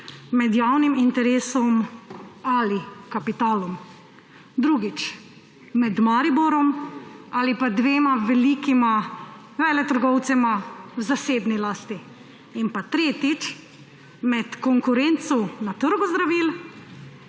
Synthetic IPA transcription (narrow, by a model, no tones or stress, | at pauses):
mɛd̪jaːwnimint̪ɛɾeːsɔm | alikapit̪aːlɔm | d̪ɾuɡit͡ʃ | mɛd̪maɾibɔɾɔmalipad̪ʋeːmaʋɛlikima | ʋɛːlɛt̪əɾɡɔwt̪sɛmawzaseːbnilaːst̪iː | npat̪ɾeːt̪it͡ʃ | mɛt̪kɔŋkʊɾent̪sunat̪əɾɡuzd̪ɾaʋil